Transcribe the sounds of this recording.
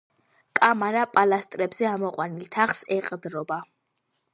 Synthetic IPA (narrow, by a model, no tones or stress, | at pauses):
kʼamaɾapʼalast̪ʼɾɛbzɛamɔqʼwanilt̪ʰaχsɛqʼd̪ɾɔba